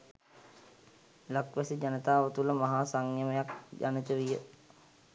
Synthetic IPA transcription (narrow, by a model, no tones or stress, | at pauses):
lakʋæsid͡ʒanət̪aːʋət̪uləmaɦaːsaŋjəməjakd͡ʒa̰nit̪əʋijə